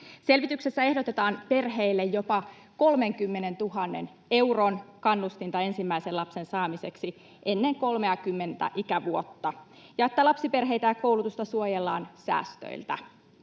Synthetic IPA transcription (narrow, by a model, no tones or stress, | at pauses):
se̞lʋit̪ykse̞sːæe̞hdo̞t̪et̪ɑːnpe̞rɦeilːejjopɑ | ko̞lmeŋkymːene̞nt̪uɦɑnːḛn | e̞wronkɑnːust̪int̪ɑe̞nsimːæiselɑpse̞nsɑːmise̞ksi | ʔe̞nːeŋko̞lmeɑkymːe̞nt̪æ̰ʔikæʋuot̪ːɑ | jɑet̪ːælɑpsipe̞rɦe̞it̪æːko̞wlut̪ust̪ɑsuojelːɑːnsæ̰ːst̪ø̰ilt̪æ̰